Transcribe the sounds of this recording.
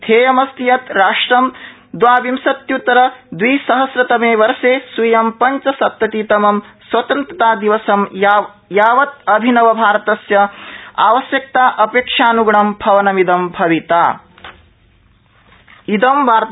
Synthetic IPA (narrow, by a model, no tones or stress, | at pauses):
t̪ʰeːjɐmɐst̪ijɐt̪ɾaːʂʈɾɐm | d̪ʋaːʋimsɐt̪jut̪ɐɾɐd̪ʋiːsɐɦɐsɾɐt̪ɐmeːʋɐɾʃeːsʋujɐmpɐɲt͡ʃɐsɐt̪ːɐt̪iːt̪ɐmɐmswɐt̪ɐnt̪ɾɐt̪aːd̪iʋɐsɐm | jaːʋɐt̪̚ɐbʱinɐʋɐbʱaːɾɐt̪ɐsjɐa̰ːʋɐsjɐk̚t̪aːʔɐpeːkʂaːnuɡɐɳɐmbʱɐʋɐnɐmid̪ɐmbʱɐʋit̪aː | id̪ɐmʋaːɾ